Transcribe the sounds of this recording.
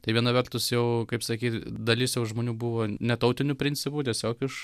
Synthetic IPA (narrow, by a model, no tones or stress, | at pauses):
t̪ɐɪʋʲiɛnɐʋʲɛrt̪ʊsjɛʊkɐɪpsɐkʲiːt̪d̪ɐlʲɪsjɛʊʒmoːnʲuːbuʋoːnʲɛt̪ɐʊt̪ʲɪnʲʊpʲɾʲɪnʲt͡sʲɪpuːt̪ʲɛsʲoːkɪʃ